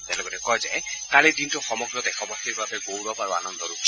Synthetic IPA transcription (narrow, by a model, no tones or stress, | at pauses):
t̪ɛlɔɡɔtɛkɔjd͡ʒaekaled̪intɔxɔmɔɡɾɔd̪ɛkʰɔbɔst̪ʰiɾbʱabeɡowɾɔpaɾoa̰nɔnd̪ɔɾuk